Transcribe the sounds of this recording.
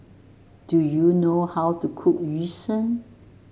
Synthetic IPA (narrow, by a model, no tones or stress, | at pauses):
d̥ujunohawtukʰuk̚ɹisə̃n